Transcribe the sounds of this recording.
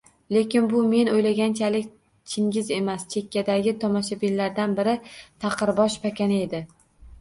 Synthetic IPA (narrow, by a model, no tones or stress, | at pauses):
le̞kʲɪnbʊme̞nojlaɡʲant͡ʃʰalɪk̚ʲ | t͡ʃʰɪŋɡʲɪze̞mast͡ʃʰe̞kʲːad̪aɡʲɪt̪ʰɒmɒʃabilːaɾd̪anbɪɾɪt̪ʰɑqʰɨɾbɒʃpʰakʲanɪe̞d̪ɪ